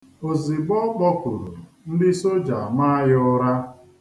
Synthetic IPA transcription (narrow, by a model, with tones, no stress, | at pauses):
o˨zi˨ɡ͡bɔ˦k͡pɔ˦kʊ˨ɾʊ̰˨ | n̩˦dɪ˦so˦d͡ʒa˨a˨ma˦a˦jɔ˦ɾa˦